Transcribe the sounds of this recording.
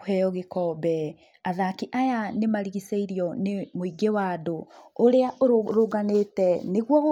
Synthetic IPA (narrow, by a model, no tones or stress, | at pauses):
ɛjɔɣekɔːbɛ | aðakiʔajanemaɾiɣiseiɾijɔnemoiɡewadoːɾeaoɾoɡanetɛneɣwɔ